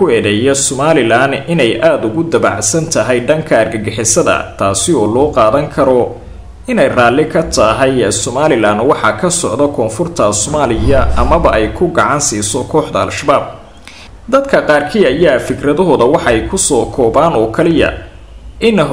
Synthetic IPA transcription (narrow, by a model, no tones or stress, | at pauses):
kʊɛːðɛjɛsɔmaːlɪlaːnɪnɛjʔaːd̪ʊɣʊd̪ɐβɑ̰ʕsɐnt̪ʰɐɦɛjɖɐŋkʰɐːrɡɐɡɛħɛsɐðɐ̰t̪ʰaːsɪɔːlɔːqɑːðɐŋkʰɐɾɔ | ɪnɛjraːlɪkʰɐt̪ʰɐɦɛjsɔmaːlɪlaːnwɑħɑkʰɐsɔʕd̪ɔkʰɔːnfʊrt̪ʰɐsɔmaːlɪjɐʔɐmɐβɐʔɛjkʰʊɡɑʕɑnsiːsɔkʰɔːħd̪ɐɐ̰lʃɐbaːb̚ | d̪ɐd̪kʰɐqɑːrkʰiːɐjaːfɪkrɐðɐɦɔːðɐwɑħɑɛjkʰʊsɔːkʰɔːbaːnɔːkʰɐlɪjɐ̰ | ʔɪn